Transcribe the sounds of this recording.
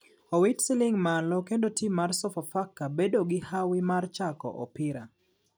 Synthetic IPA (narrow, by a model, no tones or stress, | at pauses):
owitsilɪŋmalɔkendotʰimːarsɔfafakːabedoɡɪhawɪmart͡ʃakɔ̰ʔɔ̰pɪɾa